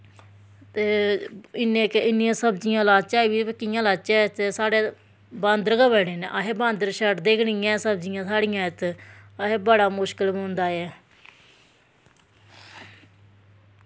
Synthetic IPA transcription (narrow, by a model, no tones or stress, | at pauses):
t̪eːɪnẽːkeɪnːĩjãːsəbd͡ʒijãːlaːt͡ʃaːʋiːpəkːijãːlaːt͡ʃɛːt̪eːsaːɽeː | bãːnd̪əɾɡəbɛːɽeːnḛːʔaːɦeːbãːnd̪əɾʃəʈd̪eːkʰɳijãːsəbd͡ʒijãːsaːɽɪjãːɪt̪aɦeːbəɽaːmʊʃkəlɦõːnd̪aːɛː